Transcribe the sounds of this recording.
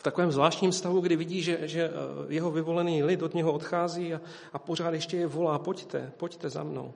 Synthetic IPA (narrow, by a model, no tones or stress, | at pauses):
ft̪akovɛːmzvlaːʃcɲiːmst̪avuɡdɪvɪɟiːʒɛʒɛjɛɦovɪvo̞lɛniːlɪt̪o̞d̪ɲɛɦoot̪xaːziːa | ʔapo̞r̝aːt̪jɛʃcɛjɛvo̞laːpo̞ct̪ɛ̰poct̪ɛza̰mno̰w